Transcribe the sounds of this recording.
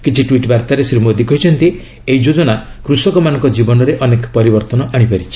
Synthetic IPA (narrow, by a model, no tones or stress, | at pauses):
kit͡ʃʰiʈwiʈbaɾt̪aɾesɾimod̪ikʰɔɦit͡ʃʰɔnt̪i | eid͡ʒod͡ʒɔɽakɾusɔkɔmanɔ̃ŋkɔd͡ʒibɔnɔɾeʔɔnekpɔɾibɔɾt̪ɔnɔʔaɽ̃ipaɾit͡ʃʰi̥